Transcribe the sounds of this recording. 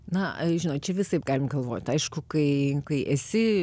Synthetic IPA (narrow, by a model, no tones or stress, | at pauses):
nɐʒʲɪnoːt͡ʃʲɛʋʲɪsɐɪpɡɑːlʲɪmɡɐlˠʋoːt̪ʲɐɪʃkʊkɐɪkɐɪʔɛsʲɪ